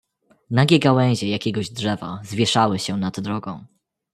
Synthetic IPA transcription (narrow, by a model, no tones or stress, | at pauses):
naɡʲɛɡawɛ̃w̃ʑɛjakʲɛɡɔʑdʐɛva̰zvʲjɛʂawɘɕɛnad̪ːɾɔɡɔ̃w̃